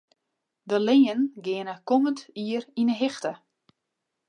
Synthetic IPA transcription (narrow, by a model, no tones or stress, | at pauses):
dəlɪːənɡɪənəkoməntiərinəɦɪxtə